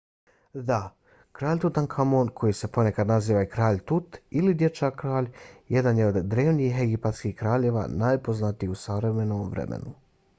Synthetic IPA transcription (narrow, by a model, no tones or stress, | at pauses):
d̪a | kɾaːʎʲt̪ut̪ankʰamoːnkʰo̞jise̞po̞ne̞kad̪naziːʋaikɾaːʎt̪ut̪ilid̪je̞t͡ʃakɾaːʎje̞d̪anjeo̞d̪ːɾe̞ːʋniixeɡipat̪skihkɾaːʎe̞ːʋa̰naːjpo̞znat̪ijusaʋɾe̞me̞noːmʋɾḛmḛnu